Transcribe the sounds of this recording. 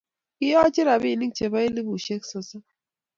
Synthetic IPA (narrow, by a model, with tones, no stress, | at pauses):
kɪ˦jɔ˦t͡ʃɪ˦ɾa˨bi˦˨ni˦ŋt͡ʃe˨βa˦i˦li˦bu˨ʃe˦ksɔ˨sa˦